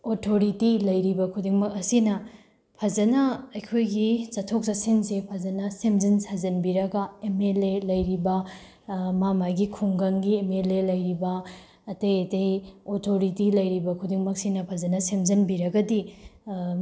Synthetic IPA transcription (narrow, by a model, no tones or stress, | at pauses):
otʰoɾitilɐjɾibɐkʰudiŋmɐkɐsinɐ | pʰɐzɐnɐɐjkʰojɡit͡ʃɐtʰok̚sɐsinsepʰɐzɐnɐsemd͡ʒinsazɐnbiɾɐɡɐemelelɐjɾibɐ | mamaɡikʰuŋɡɐŋɡiemelelɐjɾibɐː | tejetejotʰoɾitilɐjɾibɐkʰudiŋmɐk̚sinɐpʰɐzɐnɐsemzɐnbiɾɐɡɐdi